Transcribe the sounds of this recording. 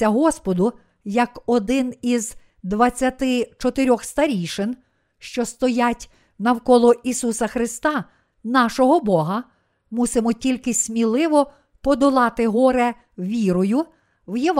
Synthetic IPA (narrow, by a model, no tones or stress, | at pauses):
ɐɦɔspɔd̪ʊ | jɐkɔd̪ɪniz | d̪ʋɐt͡sʲːɐt̪ɪt͡ʃɔt̪eɾʲɔxst̪ɐɾʲijʃɪn | ʃt͡ʃɔst̪ɔjatʲ | nɐwkɔlˠɔisusɐxɾɪst̪ɑ | nɑʃɔɦɔbɔɦɐ | musɪmɔtʲilʲkɪsʲmʲilˠɪʋɔ | pɔd̪ɔlˠɑt̪ɪɦɔɾɛ | ʋʲiɾɔjʊ | wjeʋ